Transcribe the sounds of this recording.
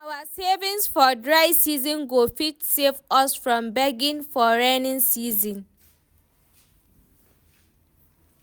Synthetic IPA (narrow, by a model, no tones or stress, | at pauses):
awasevĩnsfɔdɹaɪsizɔ̃nɡofitsevɔsfɹɔ̃mbɛɡĩnfɔɹãnĩnsizɔ̃n